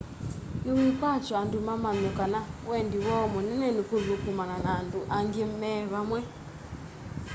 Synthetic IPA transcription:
niwikat͡ʃɔandumamaɲɔkanawɛndiwɔmonɛnɛnikoðukumananaːnduʔaŋɡim̩mɛβamwɛ

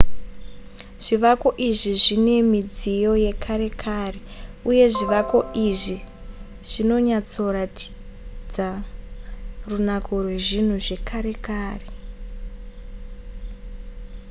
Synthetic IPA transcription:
ʐ̥iʋako̞ʔiʐiʐine̞mid͡zijo̞je̞kʰaɾe̞kʰaːreuje̞ʐiʋako̞iʐi | ʐ̥ino̞ɲat͡so̞ratʰi̥ | d͡za | runakʰo̞rwe̞ʐin̤uʐe̞kʰaɾe̞kaːre

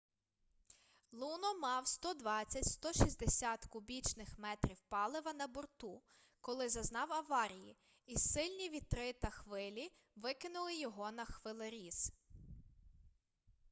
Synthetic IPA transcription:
lˠunɔmɑwst̪ɔd̪ʋɑt͡sʲːɐtʲst̪ɔʃizʲd̪esʲɑt̪kʊbʲit͡ʃnɪxmɛt̪ɾʲiwpɑlˠɪʋɐnɐbɔrt̪u | kɔlˠɪzɐznɑwɐʋɑɾʲiji | isɪlʲnʲiʋʲit̪ɾɪt̪ɐxʋɪlʲi | ʋɪkɪnʊlˠɪjɔɦɔnɐxʋɪlˠɪɾʲiz̥

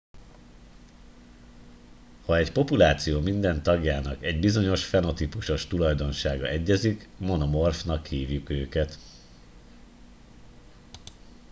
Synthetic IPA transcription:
hɒɛcpo̞pulaːt̪sijoːmind̪ɛnt̪ɒɡjaːnɒkɛɟbizo̞ɲo̞ʃfɛno̞t̪ipuʃo̞ʃt̪ulɒjd̪o̞nʃaːɡɒʔɛɟːɛzikmo̞no̞mo̞rfnɒkhiːvjykøːkɛt̪

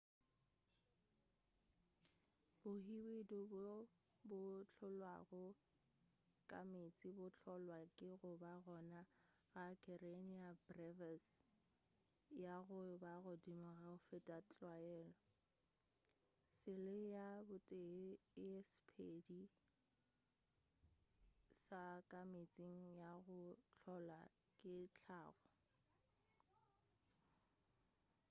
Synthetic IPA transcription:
bʊhiwidɔb | bʊt͡ɬʰɔlwa̰ɣɔ | kʼa̰met͡sʼɪbʊt͡ɬʰɔlwakʼɪɣʊbaɣɔna | ɣakʰɛreniabrɛvas | jaɣʊbaɣʊdimaɣaʊfetʼat͡ɬʼwaɛːlɔ | sɪlɪjabʊtʼeɛspʰedi | sakʼamet͡sʼiŋ̩jaɣʊt͡ɬʰɔla | kʼɪt͡ɬʰaːɣɔ

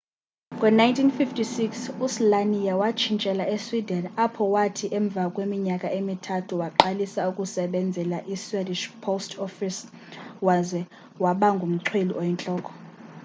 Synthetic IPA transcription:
kʼwɛnajntʰinfiftʰisiksuslanijawat͡ʃʰint͡ʃʼɛlaʔeswidɛnapʰɔwatʰiʔɛɱb̪vʱakʼwemiɲakʼaʔemitʰatʰuwaǃalisaukʼusɛɓɛnd͡zʱɛlaʔiswediʃpʰostʰɔfis | wazɛ | waɓaŋɡʱum̩ǀʰweliʔɔjɛnt͡ɬʼɔːkʼɔ̥

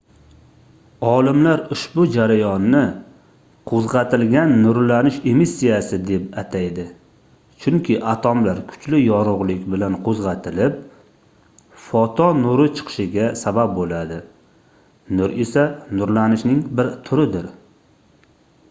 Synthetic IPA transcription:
ɒlˠɪmlaɾʊʃbʊd͡ʒaɾajɒnːɪ | qʰozʁɑt̪ʰɪlɡʲanːʊɾlanɪʃe̞misːijasɪd̪epat̪ʰajd̪ɪ | t͡ʃʰʊŋkʲʰɪʔat̪ʰɒmlaɾkʰʊ̥t͡ʃlɪjɒɾʊʁlˠɪkʲbɪlanqʰozʁɑt̪ʰɪlɪp̚ | fɒt̪ʰɒnʊɾɪt͡ʃʰɨ̥qʰɨ̥ʃɪɡʲasabap̚bolad̪ɪ | nʊɾe̞sanʊɾlanɪʃnɪŋbɪɾt̪ʰʊɾɪd̪ɪɾ

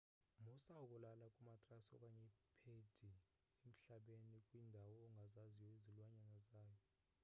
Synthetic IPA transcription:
musaukʼulalakʼumatʼrasɔkʼaɲɛpʰed̥ʱi | em̩ɬaɓenikʼwindʱawɔːŋɡʱazaziwezilwaɲanazaːjɔ

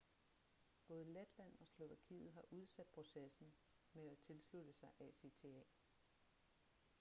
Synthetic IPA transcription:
b̥ɔ̽ːð̞ˠled̥læn̰ɒ̽slo̝ʋækʰḭːð̞̩ˠɦɑ̈ʔuð̞ˠsæd̥̚pʰʁo̝sesn̩ | meæt͡sʰe̝lslud̥əsɑ̈ɪʔɛse̝t͡sʰe̝ɛ̰ː

